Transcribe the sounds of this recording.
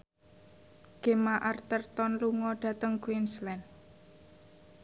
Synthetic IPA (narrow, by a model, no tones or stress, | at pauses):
ɡ̥e̤maʔart̪ərt̪ɔnluŋɔɖ̥ä̤t̪əŋkuwinslɛn